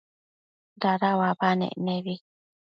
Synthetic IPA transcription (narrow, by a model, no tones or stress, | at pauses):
daɾawabanḛʔneβi